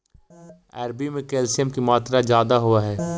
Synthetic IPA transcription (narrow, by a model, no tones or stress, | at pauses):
ɛːɾbimẽkɛːlsiɛmkimaːt̪ɾazjaːd̪aɦʊaɦɛː